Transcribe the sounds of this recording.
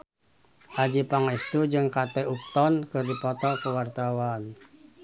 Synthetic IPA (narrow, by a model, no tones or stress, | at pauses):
ʔad͡ʒipaŋist̪ud͡ʒɨŋkat̪ɛuk̚t̪ɔnkɨrdipɔt̪ɔkəwart̪awan